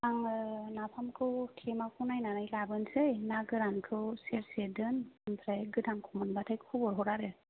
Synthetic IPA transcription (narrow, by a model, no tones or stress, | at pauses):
aŋnapʰamkʰɯtʰemakʰunajnanajlabɯnsɯjnaɡɯɾankʰɯwseɾsedɯnɯmpʰɾajɡɯdʰaŋkʰumɯnbatʰajkʰubɔɾɦɔɾaɾɯ